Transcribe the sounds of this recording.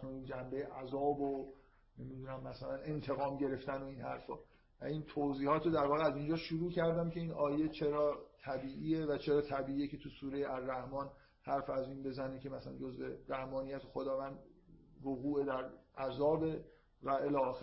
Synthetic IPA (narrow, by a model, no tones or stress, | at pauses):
nund͡ʒæmbejeʔæzɒːbo | nemid̪uːnæmːæsælæne̞nt̪ʰe̞ɣɒːmɟe̞ɾe̞ft̪æno̞inhæ̰ɾfɒ̰ː | væ̰iːnt̪ʰoziːhɒːt̪ʰɾod̪æɾvɒːɣeæzind͡ʒɒːʃuɾuːcʰæɾd̪æmcʰe̞iːnɒːje̞t͡ʃʰe̞ɾɒːt̪ʰæbiːʔiːevæt͡ʃʰe̞ɾɒːt̪ʰæbiːiːjecʰe̞t̪ʰusuːɾe̞jeæɾːæhmɒːn | hæɾfæziːnbe̞zænecʰe̞mæsælæ̰nd͡ʒo̞zveɾæhmɒːnijæt̪ʰexod̪ɒːvæːnd̪voɣuːed̪æɾʔæzɒːbe̞ | væʔe̞lɒːx